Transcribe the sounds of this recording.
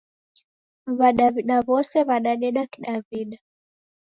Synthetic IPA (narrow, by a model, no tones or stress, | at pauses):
βaɗaviɗaβɔsɛβaɗaɗɛɗakiɗaviɗa